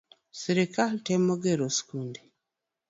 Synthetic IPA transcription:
siɾikatemoɡeɾosi̥kuːndi

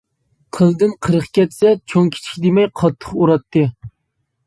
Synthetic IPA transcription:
qʰəlˠd̪ɨnqʰəɾəχkʲɛt̪sɛt͡ʃʰoŋkʲʰi̥t͡ʃʰi̥kʲd̪ɪmɛjqʰɑt̪ʰːə̥χuɾɑt̪ʰːɨ

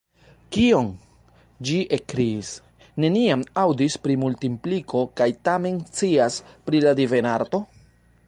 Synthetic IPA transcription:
kion | d͡ʒiʔekɾiis | ne̞niamawdispɾimultimplikʰo̞kajtame̞nt͡siaspɾiladive̞naɾto̞

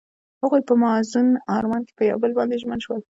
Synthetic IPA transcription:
haɣujpəmɑzʊnɑɾmɑnke̥pəja̰wbəlbɑnd̪eʒmənʃwəl

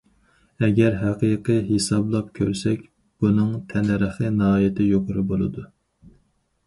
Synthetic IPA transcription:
ɛɡʲɛɾɦæqijqʰɨɦesɑblˠɑp̚kʲʰøɾsɛkʲ | b̥unɨŋt̪ʰɛnɛɾəχɨnɨɦɑːjɪt̪ʰɪjoqʊɾɨbolˠɨ̰d̪u

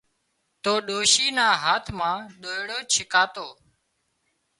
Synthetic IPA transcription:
t̪oːɗoːʃiːnãːɦaːt̪ʰmãːɗoːɦɽoːt͡ʃʰɪkaːt̪oː

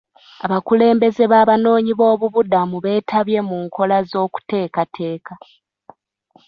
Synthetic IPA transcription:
aβakule̞ːmbe̞ze̞βaːβano̞ːɲiβo̞ːβuβudamuβe̞ːtʰaβje̞muːŋkʰo̞lazo̞ːku̥te̞ːkatʰe̞ːka

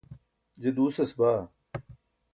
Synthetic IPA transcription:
d͡ʑed̪uːsɐsbaː

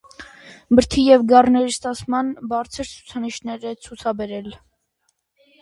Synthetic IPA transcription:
bəɾt̪ʰijɛvɡɑrnɛɾist̪ɑt͡sʰmɑnbɑɾt͡sʰəɾt͡sʰu̥t͡sʰɑniʃnɛɾɛt͡sʰut͡sʰɑbɛɾɛl

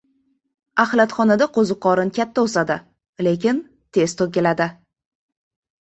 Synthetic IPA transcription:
ahlat̪χɒnad̪aqʰozɨqʰɒɾɪnkʲʰat̪ʰːaosad̪ɪ | lekʲɪn | t̪ʰe̞st̪ʰokʲelad̪ɪ

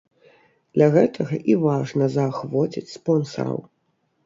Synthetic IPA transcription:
d̪lʲɐɣɛt̪ʰɐɣɐʔivaʐnɐzɐːxvɔt͡sʲit͡sʲspɔnsɐ̰ɾɐ̰w

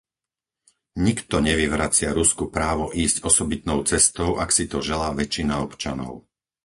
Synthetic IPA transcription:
ɲikt̪ɔɲɛʋiʋɾat͡sɪaɾuskupɾaːʋɔʔiːscɔsɔbit̪nɔʊt͡sɛst̪ɔʊʔaksit̪ɔʒɛlaːʋɛt͡ʃːinaɔpt͡ʃanɔ̰ʊ

